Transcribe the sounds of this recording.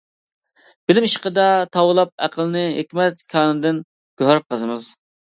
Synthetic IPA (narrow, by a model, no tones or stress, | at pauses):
b̥ɪlɪmiʃqəd̪ɑt̪ʰɑwɨlˠɑp̚æqʰəlˠnɨɦekʲmɛt̪̚kʲʰɑːnɨd̪ɪn | ɡ̥øɦɑɾ̚qʰəzɨmɨz